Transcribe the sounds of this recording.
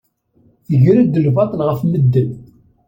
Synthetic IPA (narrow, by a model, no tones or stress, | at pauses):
θəʝɾæd̪əlvɑt̪ˤlʁəfməd̪ːən